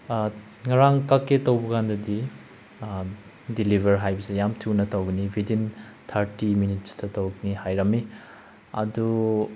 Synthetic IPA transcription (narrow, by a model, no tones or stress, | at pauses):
ŋɐɾaŋkakːetɐwbɐkandɐdi | dilibʱɐɾɦajbɐsejamtʰunɐtɐwɡɐnibʱidin | t̪ʰɐɾtiminit̚stɐtowɡɐnihajɾɐmi | ɐ̰du